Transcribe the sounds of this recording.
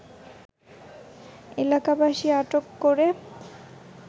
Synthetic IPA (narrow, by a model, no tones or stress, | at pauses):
elakabaʃiaʈokːoɾe